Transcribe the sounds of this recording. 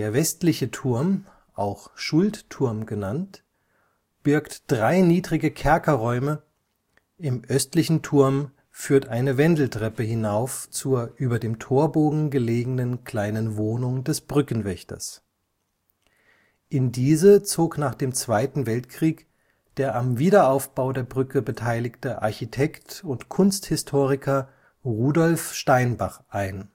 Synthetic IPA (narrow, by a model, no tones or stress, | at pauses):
d̥eːɐvɛstlɪçətʰʊɐm | ʔaʊxʃʊlttʰʊɐmɡənant | b̥ɪɐktd̥ʁaɪniːdʁɪɡəkʰɛɐkɐʁɔʏmə | ʔɪmʔœstlɪçn̩tʰʊɐm | fyːɐtʔaɪnəvɛndl̩tʁ̥ɛpəɦɪnaʊft͡suːɐʔyːbɐdeːmtʰoːɐboːɡŋ̩ɡəleːɡŋ̩nənkʰl̥aɪnənvoːnʊŋdɛsb̥ʁʏkn̩vɛçtɐ̰s | ʔɪndiːzət͡soːknaːχd̥eːmt͡sv̥aɪtn̩vɛltkʁ̥iːk | d̥eːɐʔamviːdɐaʊfb̥aʊdeːɐbʁʏkəbətʰaɪlɪktəʔa̰ɐçitʰɛktʊntkʰʊnsthɪstʰoːʁɪkʰɐ | ʁuːdɔlfʃtaɪnba̰χʔaɪn